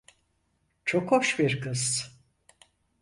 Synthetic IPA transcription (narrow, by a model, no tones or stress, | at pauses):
t͡ʃʰokʰoʃbiɾkʰɯz